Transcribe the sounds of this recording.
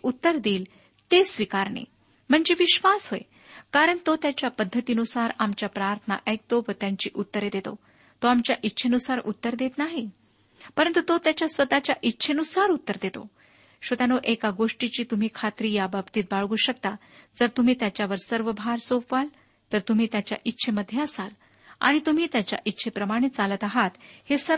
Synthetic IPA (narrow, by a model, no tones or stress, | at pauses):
ut̪ːəɾd̪iːl | t̪esʋikaɾɳḛ | m̤əɳd͡zeʋiɕʋasɦoe | kaɾəɳt̪ot̪jat͡ɕjapəd̪ʱːət̪iːnusaɾamt͡ɕjapɾaɾt̪ʰəna̰ʔək̚t̪oʋət̪jaɲt͡ɕḭːʔut̪ːəɾed̪et̪o̰ | t̪oamt͡ɕjaʔitːɕʰenusaɾut̪ːəɾd̪et̪naɦi | pəɾənt̪ut̪ot̪jat͡ɕjasʋət̪at͡ɕjaʔitːɕʰenusaɾut̪ːəɾd̪et̪o̰ | ɕʋət̪janoʔekaɡoʂʈit͡ɕiːt̪um̤iːkʰat̪ɾiːjababt̪iːt̪̚baɭɡuːɕək̚t̪ad͡zəɾt̪um̤iːt̪jat͡ɕjaʋəɾsəɾʋəbʱaɾsopʋal | t̪əɾt̪um̤iːt̪jat͡ɕja̰ʔitːɕʰeməd̪ʱjeəsal | a̰ɽ̃it̪um̤iːt̪jat͡ɕja̰ʔitːɕʰepɾəmaɽ̃it̪̚t͡salət̪aɦat̪hesə